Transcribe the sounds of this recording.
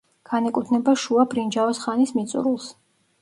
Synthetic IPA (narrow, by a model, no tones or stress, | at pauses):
ɡ̥anɛkʼut̪ʰnɛbaʃuabɾind͡ʒavɔsχanismit̪sʼṵɾulˠs